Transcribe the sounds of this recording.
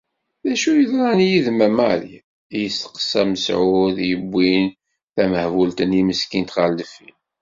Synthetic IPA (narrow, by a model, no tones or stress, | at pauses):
ðæʃujəðɾˤɑnjiðmæmaɾ | jəst̪ə̥qːə̥sæməsʕuðjəbʷːin | θæməhvult̪əniməskint̪ʁald̪əfin